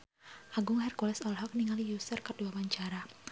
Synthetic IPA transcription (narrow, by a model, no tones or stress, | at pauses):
ʔaɡʊŋɦɛrkɔlɛsɔlɦɔk̚niŋalijusərkərduawaɲt͡ʃaɾa